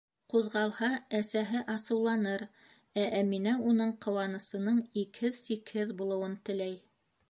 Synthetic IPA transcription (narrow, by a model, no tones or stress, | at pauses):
quðʁɑlˠhɑæsæɦɘʔɑsɤ̆wlˠɑnɤɾ | æʔæminæunɤɴqɤ̆wɑnɤ̆sɤ̆nɤɴikhɘðsikhɘðbulˠɤ̆wɤnt̪ɘ̆læj